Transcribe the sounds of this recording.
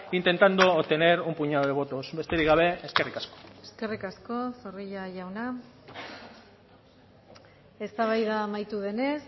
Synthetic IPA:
int̪e̞nt̪and̪oːt̪e̞ne̞ɾumpuɲaðoðeo̞t̪osbe̞st̪eɾiɣaβe̞eskerikasko̥eske̞rikasko̞soriʎaʝawna | e̞st̪aβ̞ajðamajt̪uðe̞ne̞s

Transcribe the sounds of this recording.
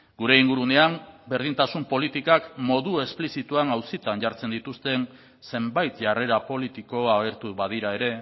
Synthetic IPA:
ɡuɾe̞iŋɡuɾune̞ambe̞ɾð̞int̪asumpo̞lit̪ikakmo̞ðue̞splisit̪uanawsit̪anʝaɾt͡se̞nd̪it̪ust̪e̞n | se̞mbajt̪ʝare̞ɾapo̞lit̪iko̞aɣ̞e̞ɾt̪uβað̞iɾae̞ɾe̞

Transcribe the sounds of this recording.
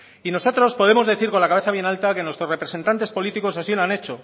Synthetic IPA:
ino̞so̞t̪ɾo̞spo̞ðe̞mo̞zðe̞θiɾko̞nlakaβe̞θaβje̞nalt̪ake̞nwest̪ɾore̞pɾe̞se̞nt̪ant̪e̞spo̞lit̪iko̞sasilane̞t͡ʃo̞

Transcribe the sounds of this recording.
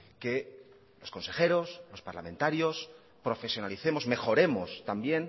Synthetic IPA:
ke̞ | lo̞sko̞nse̞xe̞ɾo̞slo̞spaɾla̰mẽ̞nt̪aɾjo̞s | pɾo̞fe̞sjonaliθe̞mo̞sme̞xo̞ɾe̞mo̞st̪ambje̞n

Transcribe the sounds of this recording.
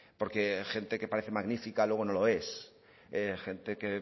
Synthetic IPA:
po̞ɾkexe̞nt̪ekepaɾeθemaɣnifikalweɣo̞no̞lo̞e̞s | exe̞nt̪eke

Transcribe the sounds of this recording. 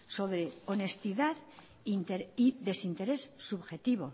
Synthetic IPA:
so̞βɾeone̞st̪iðað | int̪eɾiðe̞sint̪e̞ɾe̞sːuβxe̞t̪iβo

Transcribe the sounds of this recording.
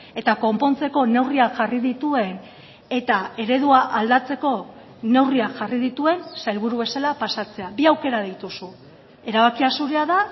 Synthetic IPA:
e̞t̪ako̞mpo̞nt͡se̞ko̞ne̞wriaʝariðit̪ue̞n | e̞t̪ae̞ɾe̞ðuaʔald̪at͡se̞ko̞ | ne̞wriaʝarið̞it̪ue̞nsajlβ̞uɾuβe̞salapasat͡se̞aβiawke̞ɾaðejt̪usu | e̞ɾaβakiasuɾeaða

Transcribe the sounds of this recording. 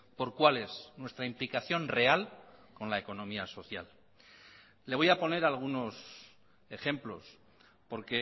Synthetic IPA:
po̞ɾkwale̞znwe̞st̪ɾaimplikaθjo̞nre̞alko̞nlae̞ko̞nõ̞miaso̞θja̰l | leβo̞japo̞ne̞ɾalɣ̞uno̞s | e̞xe̞mplo̞̰s | po̞ɾke̞

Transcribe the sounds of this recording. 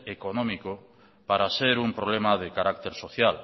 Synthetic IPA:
ekonɔ̃miko | paɾaseɾumpɾoβlemaðekaɾak̚t̪eɾsoθjal

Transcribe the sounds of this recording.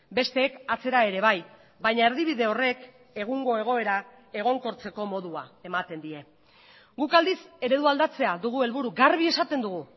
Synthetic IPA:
be̞st̪e̞ːkat͡se̞ɾae̞ɾe̞βaj | bajɲae̞ɾðiβiðe̞o̞re̞k | e̞ɣ̞uŋɡo̞e̞ɣ̞o̞e̞ɾa | e̞ɣ̞o̞ŋko̞ɾt͡se̞ko̞mo̞ðuae̞mat̪e̞nd̪ie̞ | ɡukald̪ise̞ɾe̞ðuald̪at͡se̞aðuɣ̞ue̞lβuɾuɡarβ̞ie̞sat̪e̞nd̪uɣ̞u

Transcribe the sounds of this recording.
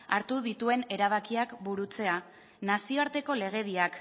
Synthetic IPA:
aɾt̪uðit̪ue̞ne̞ɾaβ̞akiakbuɾut͡se̞a | nasio̞aɾt̪e̞ko̞le̞ɣ̞e̞ðiak

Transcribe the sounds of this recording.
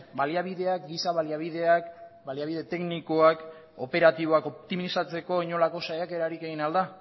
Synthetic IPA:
baliaβiðe̞akɡisaβaliaβiðeakbaliaβiðe̞t̪e̞knikoak | o̞pe̞ɾat̪iβ̞o̞ako̞p̚t̪imisat͡se̞ko̞iɲo̞lako̞sajake̞ɾaɾike̞ɣinald̪a

